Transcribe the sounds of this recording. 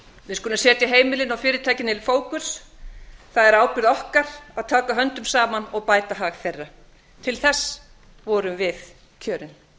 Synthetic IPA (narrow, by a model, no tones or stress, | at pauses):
vɪðskɔnʏmsɛːt̪jaɦeːjmɪlɪnawfɪːɾɪt̪ʰaːjcɪnɪlfoːwkʏ̥s | θaðɛɾaːwpʏɾðɔhkaɾ̥aðt̪ʰaːkaɦœnt̪ʏmsaːmanɔɣpaːjt̪aɦaːɣθɛrːa | t̪ʰɪlθɛsː | vɔːɾʏmvɪθ | cʰœːɾɪn